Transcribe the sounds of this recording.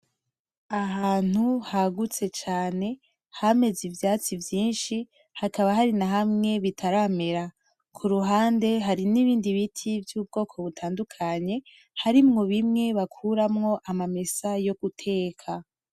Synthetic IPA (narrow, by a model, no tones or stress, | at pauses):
aɦaːn̥huhaɡut͡se̞t͡ʃaːne̞ | hame̞zivjaːt͡sivjiːnʃi | hakaβaɦaɾinaɦamŋe̞βitʰaɾame̞ɾa | kʰuɾuɦaːnde̞ɦaɾiniβiːndiβitʰivjuːb̚ɡo̞ːkʰo̞βutʰaːndukʰaɲe̞ | haɾimŋo̞βimŋe̞βakʰuɾamŋo̞ʔamame̞sajo̞ɡ̥utʰe̞ːkʰa